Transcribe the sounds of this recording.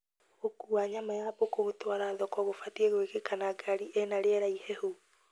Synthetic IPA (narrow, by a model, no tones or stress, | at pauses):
okuaɲamajabokoɣotwaɾaðɔkɔɣofatieɣoekekanaɡaɾiʔenaɾeɛɾaihɛho